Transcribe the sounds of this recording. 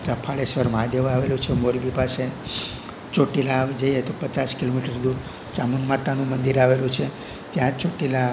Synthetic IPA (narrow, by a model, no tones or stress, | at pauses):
ɾəpʰaɭesʋəɾmãd̪ʱjəʋaʋelũt͡ʃʰemoɾbipase | t͡ʃoʈilaʋd͡ʒəjet̪opət͡ʃaskilomiʈəɾd̪ũ | t͡ʃamunmat̪anũmənd̪iɾaʋelũt͡ʃʰe | t̪jãt͡ʃoʈila